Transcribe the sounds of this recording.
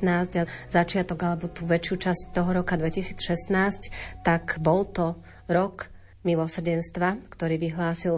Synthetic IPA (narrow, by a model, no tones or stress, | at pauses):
naːzɟazat͡ʃɪat̪ɔɡalɛbɔt̪uːʋɛt͡ʃjuːt͡ʃasc̚t̪ɔɦɔɾɔkad̪ʋɛcisiːt͡sʃɛst̪naːsct̪akbɔlt̪ɔ | ɾɔk | milɔsr̩ɟɛnst̪ʋakt̪ɔɾiːʋiɦlaːsil